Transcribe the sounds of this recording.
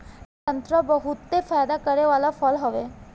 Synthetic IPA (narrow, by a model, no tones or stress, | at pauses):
t̪ə̃nt̪ɾəbəɦʊt̪ːefʰaːjd̪akɐɾeʋaːlafʰəlɦɔʋe